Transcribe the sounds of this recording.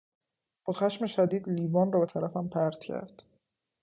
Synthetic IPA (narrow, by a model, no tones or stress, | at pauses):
b̥ɒːxæʃme̞ʃæd̪iːd̪liːvɒːnrɒːbe̞t̪ʰæɾæfæmpʰæɾd̪̥cʰæ̰ɾd̪̥